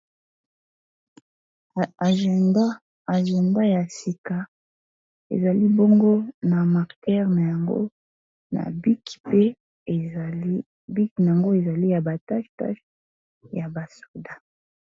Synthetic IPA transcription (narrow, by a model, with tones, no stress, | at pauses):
ʒa˦ | a˨ʒɛ˨nda˦ja˨si˨ka˨ | ḛ˨za˨li˦bo˦ŋɡo˦na˨ma˨ʁkɛ˦ʁna˨ja˨ŋɡo̰˦ | na̰˨bi˦ki̥˨pe˦˨˦ | bi˦kna˨ja˨ŋɡo˦e˨za˨li˦ja˨ba˨ta˦ʃta̰˦ʃ | ja˨ba˨so̥˨da˦